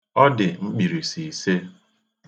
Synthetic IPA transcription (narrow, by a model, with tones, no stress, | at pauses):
ɔ˦dɪ˨ŋ͡m̩˦k͡pi˨ɾi˨si˨i˨se˦